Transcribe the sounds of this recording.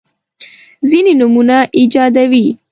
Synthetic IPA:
zininʊmunaʔid͡ʒɑd̪awi

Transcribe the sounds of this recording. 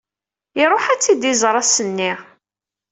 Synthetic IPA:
ɪɾˤoħæt͡sːid̪izɾˤɑsənːiʁ

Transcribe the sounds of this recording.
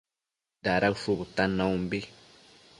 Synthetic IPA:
daɾaufuβut̪anaumbi

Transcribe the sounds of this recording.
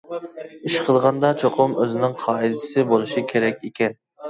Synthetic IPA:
iʃqʰəlˠʁɑnd̪ɑt͡ʃʰoqʰʊmøzɪnɪŋqʰɑːid̪ɪsɪbolˠuʃikʲʰeɾɛkʲekʲɛn

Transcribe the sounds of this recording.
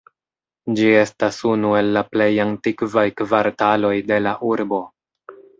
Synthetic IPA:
d͡ʒie̞stasunue̞lːaple̞jantikvajkvaɾtalo̞jde̞laʔuɾbo̞

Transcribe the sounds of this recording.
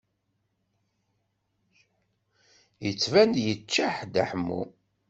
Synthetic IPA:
jət͡sːvænd̪jət͡ʃːaħd̪a̰ħəmːṵ

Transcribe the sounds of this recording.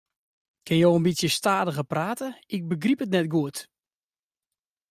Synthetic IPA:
kʰɪnjoːənbitsjəstaːdəɣəpraːtəɪk̚bəɡripətnɛt̚ɡuət

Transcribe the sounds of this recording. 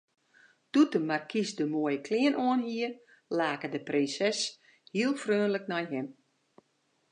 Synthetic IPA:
d̥utəmarkʰisdəmoəjəkʰlɪənʔoənhiə | laːkədəprinsɛs | hiəlˠfrøːnləknɔjɦɪm

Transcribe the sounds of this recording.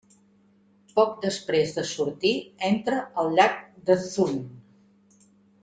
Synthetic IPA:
pɔk̚d̪əspɾezðəsuɾt̪iɛnt̪ɾəəlˠʎak̚d̪əθun

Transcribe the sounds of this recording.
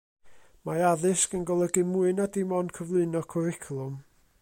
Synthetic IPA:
maaðɪskənɡɔlˠəɡɪmuɨnadɪmɔnkʰəvlˠɨɨnɔkʰɔɾɪkʰlˠʊm

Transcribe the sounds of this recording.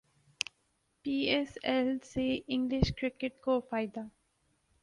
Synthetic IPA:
piːɛsɛlseːɪ̃ŋɡlɪʃkɾɪkeʈkoːfaɪd̪a

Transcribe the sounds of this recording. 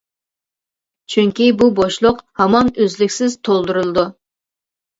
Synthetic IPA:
t͡ʃʰyŋʲkʲibuboʃlˠʊqhɑmɑnøzlɪkʲsɪz̥t̪ʰolˠd̪uɾɨlˠɨd̪u

